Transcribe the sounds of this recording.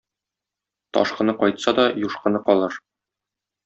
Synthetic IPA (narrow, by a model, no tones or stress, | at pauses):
t̪ɒ̰ʃqɤ̆nɤqɒjt̪sɑd̪ɒjuʃqɤ̆nɤqɒlˠɤɾ